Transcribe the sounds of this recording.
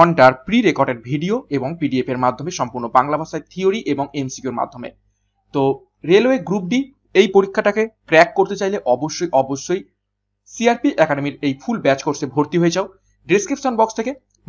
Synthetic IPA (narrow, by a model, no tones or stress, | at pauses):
ɔɳɖaɾpɾiɾekɔɾɖeɾbʱiɖioeboŋpiɖiepeɾmad̪ʱːomeʃɔmpuɾnobaŋlabʱaʃaet̪ʰioɾiʔeboŋemsi̥kjoɾma̰d̪ʱːomḛ | t̪o | ɾeloeɡɾup̚ɖi | ejpoɾikʰːaʈakekɾɛkːoɾt̪et͡ɕajleʔɔboʃːojʔɔboʃːoj | siaɾpiʔɛkaɖemiɾejfʰulbɛt͡ɕkoɾʃʰebʱoɾt̪iɦoed͡ʑao | ɖiskɾipʃonbɔkst̪ʰeke